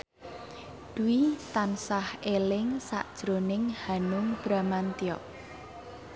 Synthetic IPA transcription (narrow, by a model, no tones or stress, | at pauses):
d̪̥uwit̪ansahelɪŋsa̰ʔd̥ʒ̥ɾonɪŋhanʊŋb̥ɾamant̪iɔʔ